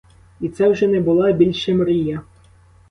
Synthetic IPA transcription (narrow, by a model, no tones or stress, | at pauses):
it̪sɛwʒɛnɛbʊlˠɑbʲilʲʃemrijɐ